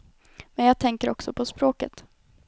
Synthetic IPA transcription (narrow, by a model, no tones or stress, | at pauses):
mɛnjɑːɡ̚t̪ʰɛŋkəɾɔksɔpʰɔspɾoːkət̪